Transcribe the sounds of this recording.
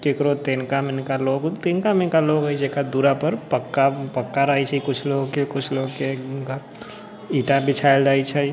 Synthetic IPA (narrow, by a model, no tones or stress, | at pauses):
kekɾoːt̪iːnkamɪnkaloːɡt̪iːnkamɪnkaloːɡɦəid͡ʒekad̪uɾapəɾpəkːapəkːaɾəɦit͡ʃʰɛikʊt͡ʃʰloːɡkekʊt͡ʃʰloːɡkeka | iːʈabɪt͡ʃʰaɪld͡ʒaːit͡ʃʰai